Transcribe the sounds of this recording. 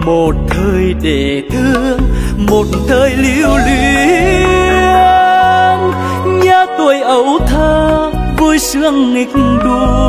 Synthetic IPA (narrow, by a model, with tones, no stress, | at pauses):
mo˨˩t̚t̪ʰəː˧˩jɗe˧˩ | t̪ʰɨ˧˦əəəŋ | mo˨˩t̚t̪ʰəː˧˩jli˧˥wli˧˨ | ə | n | ɲa˧t̪u˨˩əjʔə˨˦wt̪ʰəː˧ | vu˧jsɨ˧˥əŋŋï˨˩k̚ɗu˧˩